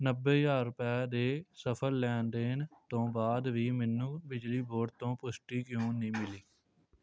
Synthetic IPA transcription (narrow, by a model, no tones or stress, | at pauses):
nəbːeːjaːɾʊpɛːd̪eːsəpʰəɾːɛːnd̪eːnt̪õːbaːd̪ʋiːmɛnːũːbɪd͡ʒliːboːɖt̪õːpʊsʈiːkjõːnĩːmɪliː